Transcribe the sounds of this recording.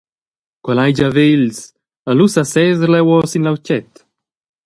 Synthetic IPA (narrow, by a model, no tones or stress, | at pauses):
kwalajd͡ʒavels | alusasɛːzəɾlɛwɔsinlawcɛt̪